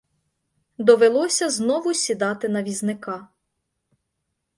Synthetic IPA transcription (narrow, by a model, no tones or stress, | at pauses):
d̪ɔʋelˠɔsʲɐznɔʋʊsʲid̪ɑt̪ɪnɐʋʲiznɪkɑ